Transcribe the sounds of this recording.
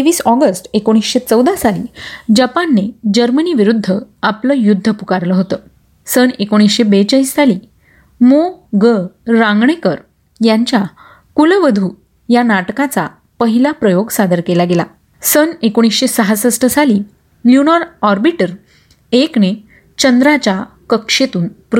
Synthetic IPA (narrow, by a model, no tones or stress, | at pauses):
eʋiːsɔɡəsʈekoɽ̃isɕet͡səwd̪asalḭːd͡ʑapanːed͡ʑəɾməniːʋiɾud̪ʱːəapləːjud̪ʱːəpukaɾləɦot̪ə | sənekoɽ̃isɕebet͡ɕəisːali | moɡəɾãŋɡɳ̃ekəɾ | jaɲt͡ɕja | kulʋəd̪ʱu | janaʈkat͡sa̰ | pəɦilapɾəjoɡsad̪əɾkelaɡela̰ | sənekoɽ̃isɕesəɦasəsʈʰəsaliː | ljunɔɾɔɾbiʈəɾ | ekne | t͡ɕənd̪ɾat͡ɕakəkʂet̪uːnp